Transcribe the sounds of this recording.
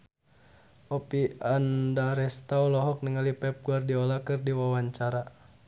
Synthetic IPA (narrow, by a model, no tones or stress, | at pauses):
ʔɔpiandaɾɛst̪awlɔɦɔk̚niŋalipɛp̚ɡuardiɔlakɨrdiwawaɲt͡ʃaɾa